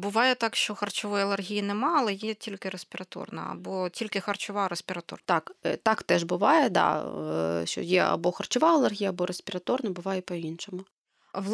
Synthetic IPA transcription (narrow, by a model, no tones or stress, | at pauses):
bʊʋɑjɛt̪ɑkʃt͡ʃɔxɐrt͡ʃɔʋɔjɐlˠerɦʲijinɛmɑɐlˠɛjɛtʲilʲkɪɾesʲpʲɪɾɐt̪ɔ̰rnɐ̰ɐ̰bɔtʲilʲkɪxɐrt͡ʃʊʋɑɾesʲpʲɪɾɐt̪ɔ̰rt̪ɑkt̪ɑkt̪ɛʒbʊʋɑjɛd̪ɑ̰ | ʃt͡ʃɔ̰jɛɐ̰bɔxɐrt͡ʃʊʋɑɐlˠerɦʲijɐːbɔɾesʲpʲɪɾɐt̪ɔrnɐbʊʋɑjɛpɔinʃɔmʊ | ʋlˠ